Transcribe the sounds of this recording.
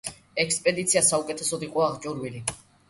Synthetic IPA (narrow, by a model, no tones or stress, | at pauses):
ɛkʰspʼɛd̪it̪sʰiasaukʼɛt̪ʰɛsɔd̪iqʼɔaʁt͡ʃʼuɾwili